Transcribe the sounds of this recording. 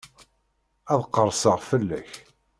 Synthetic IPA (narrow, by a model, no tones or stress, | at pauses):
æðqːəɾˤsəʁfəlːæç